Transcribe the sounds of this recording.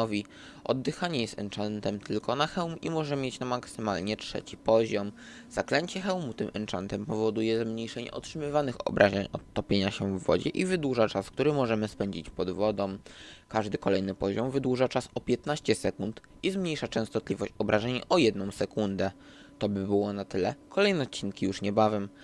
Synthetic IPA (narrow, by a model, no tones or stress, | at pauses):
ɔvʲi | ʔɔ̰d̪ːɘxaɲɛjɛst̪ɛ̰nt͡ʂant̪ɛmt̪ʰɘlkɔnaxɛwmimɔʐɛmʲjet͡ɕnamaksɘmalɲɛtʂɛ̰t͡ɕipɔʑɔm | z̥aklɛɲt͡ɕɛxɛwmut̪ɘmʔɛnt͡ʂant̪ɛmpɔvɔd̪ujɛzmɲejʂɛɲɛ̰ʔɔ̰tʂɘmɘvanɘxɔ̰bɾʔaʑɛɲɔt̪ːɔpʲjeɲaɕɛvːɔ̰d͡ʑɛ̰ʔivɘd̪wuʐat͡ʂaskt̪uɾɘmɔʐɛmɘspɛɲd͡ʑit͡ɕpɔd̪vɔd̪ɔ̃wkaʐd̪ɘkɔlɛjnɘpɔʑɔmvɘd̪wuʐat͡ʂasɔpʲjɛt̪naɕt͡ɕɛsɛkunt̪ | izmɲejʂat͡ʂɛ̃st̪ɔt̪lʲivɔɕt͡ɕɔbɾʔaʐɛɲɔjɛd̪nɔ̃w̃sɛkund̪ɛ | t̪ɔbɘbɘwɔnat̪ɘlɛkɔlɛjnɛɔt̪t͡ɕːinkʲijuʂɲɛbavʲɛm